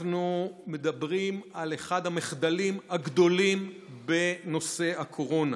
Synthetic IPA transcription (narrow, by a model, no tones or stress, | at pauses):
nume̞d̪abʁimaleχad̪hameχd̪alimhaɡd̪o̞lim | be̞no̞se̞akʰo̞ʁo̞na